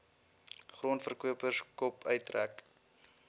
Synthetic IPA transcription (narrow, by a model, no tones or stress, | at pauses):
χruənfərkuəpəskɔpʰœɥtræ̰k